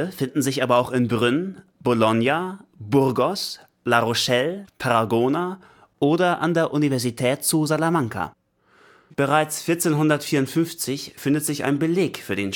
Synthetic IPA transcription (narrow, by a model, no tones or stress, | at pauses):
əfɪndn̩zɪçʔaːbɐaʊxɪnbʁʏn | b̥olɔnjabʊʁɡɔs | laʁoʃɛlpʰaʁaɡoːna | ʔoːdɐʔa̰ndeːɐʔunivɛɐzitʰɛːt̚t͡suzalamaŋkʰa̰ | b̥əʁ̞aɪt͡sfɪɐt͡seːnɦʊndɐtfiːɐʊntfʏnft͡sɪçfɪndətz̥ɪça̰ɪnbəleːkfyːɐɾeːn